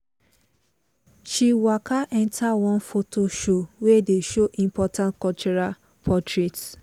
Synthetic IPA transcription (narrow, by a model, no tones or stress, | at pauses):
ʃiwakʰaʔɛ̃ntʰawɔ̃nfotʰoʃowedeʃoʔĩmpɔtãntkɔt͡ʃɔɹa | pʰɔtɹet